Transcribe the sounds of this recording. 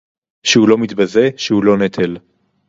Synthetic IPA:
ʃeulo̞mit̪baze̞ʃehulo̞net̪ʰel

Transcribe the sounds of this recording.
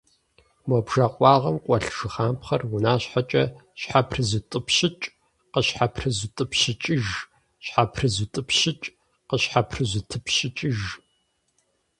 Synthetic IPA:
mɔbʒaqʷʼɑːʁɐmqʷʼɔɬʒ̥ɨχaːmpχɐrwʊnaːɕħat͡ʃʼɐɕħapʰrɨzɨtʼɨpʰɕɪt͡ʃʼ | qəɕħapʰrɨzutʼɨpɕɪt͡ʃʼɪʒ | ɕħapʰrɨzutʼɨpɕɪt͡ʃʼ | qəɕħapʰrɨzɨtʰɨpɕɪt͡ʃʼɪʒ

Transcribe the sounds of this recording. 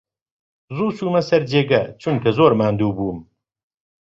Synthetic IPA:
zuːsuːmɐsɐɾd͡ʒeːɡɐt͡ʃʰunkɐzoːɾmaːnd̪uːbuːm

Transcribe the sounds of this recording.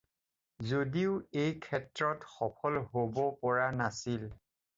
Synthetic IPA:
zodiʊejkʰɛtɹɔtxɔpʰɔlɦobɔpɔɹanasil

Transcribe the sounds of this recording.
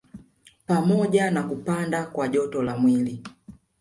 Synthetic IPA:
pamɔɟanakupandakwaɟɔtɔlamwili

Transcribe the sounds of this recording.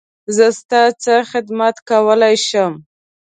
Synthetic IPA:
zəst̪ɑt͡səxɪd̪mat̪kawəlajʃəm

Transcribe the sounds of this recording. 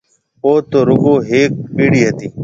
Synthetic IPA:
oːt̪oːɾʊɡoːɦeːk̚piːɽiːɦət̪iː

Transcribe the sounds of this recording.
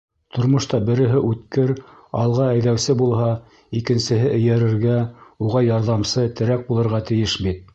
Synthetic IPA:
t̪ŏɾmŏʃt̪ɑbɘ̆ɾɘ̆ɦɘʔʉt̪kɘɾ | ɑlˠʁɑæjðæwsɘbulˠɦɑ | ikɘ̆nsɘ̆ɦɘʔɘ̆jæɾɘ̆ɾɡæuʁɑjɑɾðɑmsɤt̪ɘ̆ɾæk̚bulˠɤ̆ɾʁɑt̪ɘ̆jɘʃbit̪̚

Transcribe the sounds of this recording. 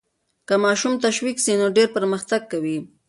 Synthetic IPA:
kamɑʃumt̪aʃwiksinoɖeɾpəɾməxt̪aɡ̚kawi

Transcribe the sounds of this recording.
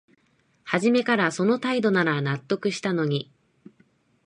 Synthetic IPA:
haʑime̞kaɾaso̞no̞t̪aid̪o̞naɾanat̪ːo̞kɯ̟ɕi̥t̪ano̞ɲ̟i

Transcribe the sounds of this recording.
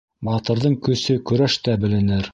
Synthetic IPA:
bɑt̪ɤ̆ɾðɤɴkɵ̆sɵkɵ̆ɾæʃt̪æbɘ̆lɘ̆nɘɾ

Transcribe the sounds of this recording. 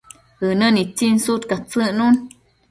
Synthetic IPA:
hɨnənit͡sinsut̪kat͡sɨʔnun

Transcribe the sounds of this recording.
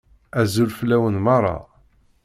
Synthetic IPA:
æzulflːæwənmɑrˤːɑ̰

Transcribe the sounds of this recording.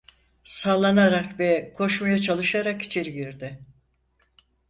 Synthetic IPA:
saːlˠːanaɾakvɛkʰo̞ʃmajat͡ʃʰalˠɯʃaɾaki̥t͡ʃʰe̞ɾiɟiɾd̪ɪ

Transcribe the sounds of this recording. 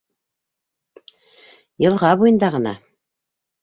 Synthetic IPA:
jɤ̆lˠʁɑβujɤ̆nd̪ɑʁɤ̆nɑ̰

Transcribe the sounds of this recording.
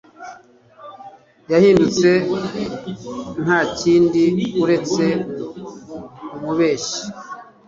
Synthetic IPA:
jahiːndut͡se̞ | n̥haːciːndiuɾe̞t͡se̞ | umuβe̞ːʃi̥

